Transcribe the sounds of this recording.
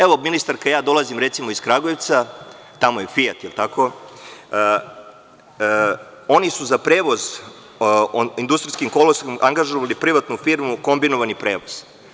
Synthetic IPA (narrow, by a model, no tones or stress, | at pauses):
eʋo̞minist̪aɾkajaːd̪o̞lˠazimɾe̞t̪simo̞iskɾaɡojeʋt̪sa | t̪amojefijat̪jelt̪ako̞ | o̞nisuzapɾeːʋo̞z | ind̪ust̪ɾiskimkoloskimʔaŋɡaʒoʋalipɾiʋat̪nufiɾmuko̞mbinoʋanipɾe̞ːʋoz̥